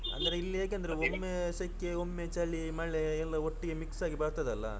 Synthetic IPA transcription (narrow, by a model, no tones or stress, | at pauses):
ɐ̰nd̪ɐɾeilːieːkeɐnd̪ɐɾeomːesɐkːeomːet͡ʃɐɭːimɐɭːeːlːɐoʈːiɡemiksaːɡibɐːɾt̪ɐd̪ɐlːɐ̰